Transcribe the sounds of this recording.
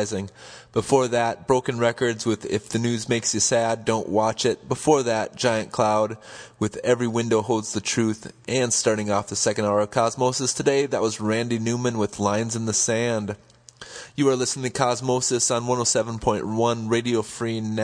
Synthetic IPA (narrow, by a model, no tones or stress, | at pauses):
ɪzɪ̃ŋ | b̥əfɔɹðɨt̚b̥ɹoʊkɨ̃nɹɛkə˞dzwɪðɪfðɨnʉzmeɪksjɨsædõʊ̃nʔwɑt͡ʃɪt̚b̥əfɔɹðɨt̚d̥ʒ̥aɪɨ̃nkʰl̥aʊd̚wɨðɛvɹiwɪ̃ndoʊɦoʊlˠdz̥ðɨtʰɹ̥ʉθʔɨ̃nstɑɹɾɪ̃ŋɔfðɨsɛkɨ̃ndaʊə˞ʌv̥kʰɑzmoʊsɨstʰɨdeɪðɨʔ̚wʌzɹæ̃ndinʉmɨ̃nwɨðlãɪ̃nzɨ̃nðɨsæ̃nd̥ | jɨə˞lɪsnɪ̃ŋtʰɨkʰɑzmoʊsɨsn̩wʌ̃ñoʊsɛvə̃n̩pʰɔ̃ɪ̃nʔwʌ̃nɹeɪɾioʊfɹin